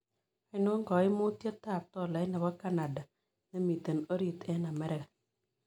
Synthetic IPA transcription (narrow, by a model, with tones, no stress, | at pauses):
a˦ɪ˦nʊ˦ŋɡɔ˨˦ɪ˦mʊ˦tje˦ta˦˨p̚tɔ˦˨la˨jna˨bɔ˦ka˦na˨da˨ | nɛ˦mi˨te˨no˦ɾi˨tɛ˦na˨mɛ˦ɾɛ˦˨k